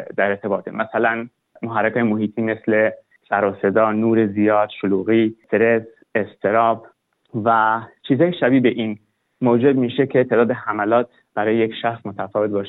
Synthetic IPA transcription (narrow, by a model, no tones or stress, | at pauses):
d̪æɾeɾt̪ʰe̞bɒːt̪ʰḛmæsælæn | moɦærːekɒːjemoɦiːt̪ʰiːme̞sle̞ | sæɾɒːse̞d̪ɒːnuːɾezijɒːd̪ʃoluːɣiːt̪ʰeɾe̞s | est̪ʰe̞ɾɒːb | væt͡ʃʰiːzɒːjeʃæbiːbe̞ʔin | moːd͡ʒe̞bmiːʃe̞cʰe̞t̪ʰe̞ːd̪ɒːd̪ehæmælɒːt̪ | b̥æɾɒːjejekʃæxsmo̞t̪ʰæfɒːve̞t̪̚bɒːʃe